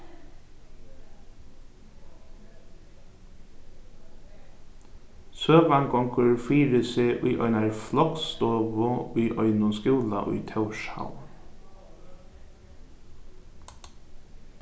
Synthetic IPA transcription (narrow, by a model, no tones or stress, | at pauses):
søːʋaŋkɔŋkəɹfiːɾɪsɪʔʊjʔɔ̰ʏnaɹflɔkst̪ɔːʋʊʊjʔɔʏnʊnskjuːla̰ʔʊ̰jt̪ʰɛwʃha̰w